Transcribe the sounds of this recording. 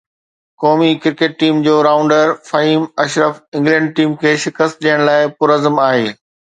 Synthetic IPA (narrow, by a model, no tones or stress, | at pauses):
kɔːmikɪɾkeːʈ̚ʈiːmd͡ʑoːɾaːʊ̃ɳɖəɾfɐɦiːmɐʃɾəfɪ̃ŋɡlɛ̃ːɳɖ̚ʈiːmkʰeːʃɪkəst̪̚ɗijəɽ̃laːɪpʊɾəzəmaːɦeː